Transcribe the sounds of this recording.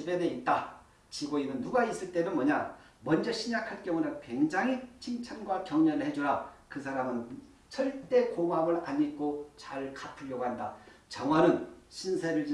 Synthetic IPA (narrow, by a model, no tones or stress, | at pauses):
ibeneit̚t͈a | t͡ɕiɡoinɯnːuɡais͈ɯɭt͈e̞mʌnmʌɲa | mʌnd͡ʑʌɕʰiɲakʰaɭk͈jʌŋunankwe̞ŋd͡ʑaŋit͡ɕʰiŋt͡ɕʰanɡwakjʌŋɲʌɾɯɭhe̞d͡ʑuɾakɯs̬ʰaɾamɯn | sʰʌɭt͈e̞komamɯɾaɲik͈ot͡ɕaɭkapʰɯʎːjʌɡoɦanda̰ | t͡ɕʌŋɦwanɯnɕʰinsʰeɾɯɭd͡ʑi